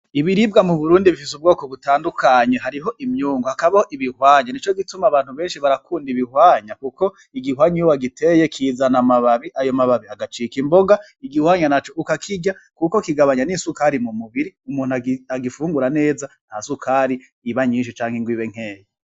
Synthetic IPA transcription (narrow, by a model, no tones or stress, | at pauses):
iβiɾib̚ɡamuβuɾuːndiβifis̬ubɡo̞ːkoβutaːndukʰaɲeɦaɾiɦo̞ʔimɲuːŋɡohakaβahoʔiβihwaːɲanit͡ʃo̞ɡitumaβaːn̥uβe̞ːnʃiβaɾakʰuːndiβihwaːɲakuko̞ | iɡihwaːɲiwwaɡitʰe̞jekʰiːzanamaβaβiʔajo̞maβaβiaɡat͡ʃikimbo̞ɡa | iɡihwaːɲanat͡ʃo̞ʔukakʰiɟakuko̞kiɡaβaɲanisukaɾimumuβiɾiumuːn̥uaaɡifuːŋɡuɾane̞ːza | n̥hasukʰaːɾiː | βaɲiːnʃ̬it͡ʃaːŋheŋɡwiːweŋ̥e̞ːje